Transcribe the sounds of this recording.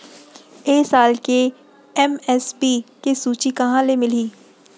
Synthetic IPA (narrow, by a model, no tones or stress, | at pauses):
eːsaːlke | ɛmɛspikesuːt͡ʃikɐɦãlemɪliː